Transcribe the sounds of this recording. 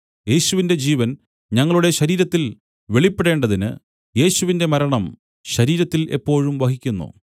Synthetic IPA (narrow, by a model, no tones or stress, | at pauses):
je̞ːɕuʋinde̞d͡ʑiːʋɐn | ɲɐŋːɐɭuɽe̞ɕɐɾiːɾɐt̪ːil | ʋe̞ɭipːeɽeːɳɖɐðinɨ̰ | je̞ːɕuʋinde̞mɐɾɐɳɐm | ɕɐɾiːɾɐt̪ːilʔe̞̰pːo̞ːɻumʋɐɦikʲːunːṵ